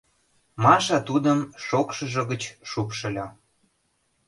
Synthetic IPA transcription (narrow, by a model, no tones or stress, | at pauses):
mɑʃɑt̪ud̪əmʃokʃəʒə̆ɣət͡ɕʃupʃə̆lʲɑ